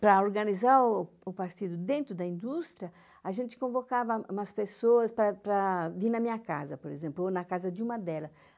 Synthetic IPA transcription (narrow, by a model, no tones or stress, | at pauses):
pɾɐoɾɡanizaɾ | ʊpaɾt̪id̪ʊd̪ẽnt̪ɾʊd̪ɐĩnd̪ust̪ɾiɐ | aʒẽnt͡ʃ̪ɪ̥kõvokavɐ̃mɐspesoɐspɾɐpɾɐviɾnɐmĩɲɐkazɐpoɾezẽmplʊnɐkazɐd͡ʒ̪ɪũmɐd̪ɛlɐ